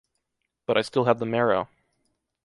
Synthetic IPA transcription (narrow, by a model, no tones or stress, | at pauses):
b̥ʌɾʔaɪstɪlˠəd̪̚ðəmɛɹoʊ